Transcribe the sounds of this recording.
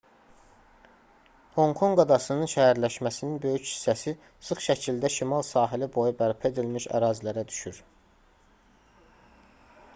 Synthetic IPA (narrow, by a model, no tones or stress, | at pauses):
ho̞ŋkʰo̞ŋɡɑd̪ɑsɯnɯnʃæhæɾlæʃmæsininbø̞jychi̥sːæsi | sɯχʃæcʰild̪æʃimɑlˠsɑːɦilibo̞jubæɾpʰe̞d̪ilmiʃæ̰ɾɑːzilæɾæd̪y̥ʃyɾ